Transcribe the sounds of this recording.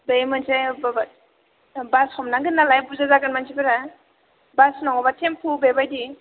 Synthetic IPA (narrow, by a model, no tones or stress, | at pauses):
bejmansababat̚ | bashɔmnaɡɯnːalajbuzazaɡɯnmansʰibeɾa | basnɔŋɔbatʰempʰubebajdi